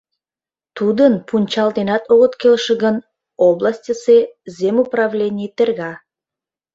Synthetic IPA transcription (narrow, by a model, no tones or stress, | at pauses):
t̪ud̪ənpunʲt͡ɕɑld̪enɑt̪oɣə̆t̪kelʃəɣən | oblasʲtʲəsezʲemuprɑvlʲenʲijt̪erɣɑ